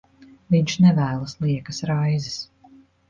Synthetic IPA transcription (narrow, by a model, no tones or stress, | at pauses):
viɲʃnɛvæːlˠɐslˠiɛkɐsɾajzis